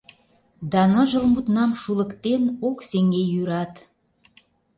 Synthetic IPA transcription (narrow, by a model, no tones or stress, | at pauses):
d̪ɑnə̆ʒə̆lmut̪nɑmʃulə̆kt̪enokseŋɡejyɾɑt̪